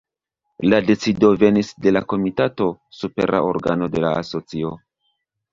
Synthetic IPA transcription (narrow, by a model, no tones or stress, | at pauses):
lade̞t͡sido̞ve̞nisde̞lako̞mitato̞supe̞̰ɾʔa̰ʔo̞̰ɾɡa̰no̞de̞la̰a̰so̞t͡sio̞